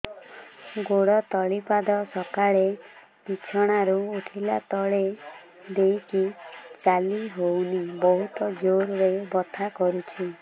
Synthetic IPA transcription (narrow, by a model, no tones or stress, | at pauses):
ɡoɽɔt̪ɔɭipad̪ɔsɔkaɭe | pit͡ʃʰɔɽ̃aɾuuʈʰilat̪ɔɭe | d̪ejkit͡ʃaliɦownibɔɦut̪ɔd͡ʒoɾɾebɔt̪ʰakɔɾut͡ʃʰi